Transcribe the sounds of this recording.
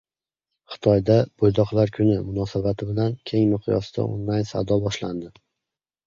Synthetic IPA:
χɨ̥t̪ʰɒjd̪ab̥ojd̪ɒqlˠaɾkʲʰʊnɪmʊnɒsabat̪ʰɪbɪlankʲʰe̞ŋmʊqʰjɒ̰sɪd̪a̰o̰nlajnsa̰d̪ɒbɒʃla̰nd̪ɪ

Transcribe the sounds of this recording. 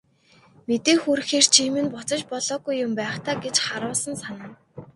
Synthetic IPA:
met̪eːxur̆xeːr̥t͡ɕʰiːmɘ̆npʊt͡sə̆t͡ɕpɔɮɔːɡujːʊmpæːχt̪ʰaːɡet͡ɕχaɾʊːsə̆nsanə̆n

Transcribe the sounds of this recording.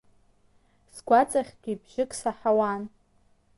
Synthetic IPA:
sɡʷat͡sʼaχʲɡ̥ʲibʒɪkʼsaħawan

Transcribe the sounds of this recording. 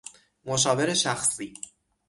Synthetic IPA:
moʃɒːve̞ɾeʃæxsiː

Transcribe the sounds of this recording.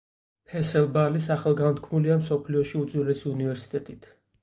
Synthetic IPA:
pʰɛsɛlˠbalisaχalˠɡant̪kʰmuliamsɔpʰliɔʃiud̪zwilɛsiunivɛɾsi̥t̪ʼɛt̪ʼit̪ʰ

